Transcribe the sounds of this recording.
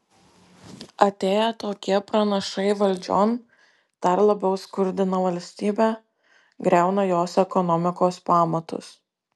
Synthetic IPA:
ɐt̪ʲeːjɛt̪oːkʲiɛpɾɐnɐʃɐɪʋɐlʲd͡ʒʲo̰ːn | d̪̥ɐɾlˠɐbʲɛʊskʊɾʲd̪ʲɪnɐʋɐlʲsʲt̪ʲiːbʲæː | ɡɾʲæˑʊnɐjoːsɛkɔnɔmʲɪkoːspɑːmɐt̪ʊ̰s

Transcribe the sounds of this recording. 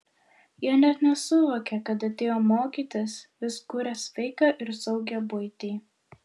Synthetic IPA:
jiɛnʲɛt̪nʲɛsʊʋoːkʲɛkɐt̪ɐt̪ʲeːjoːmoːkʲiːt̪ʲɪsʋʲɪskuːɾʲɛsʲʋʲɛɪkɑʔɪɾsɒʊɡʲɛbʊɪt̪ʲiː

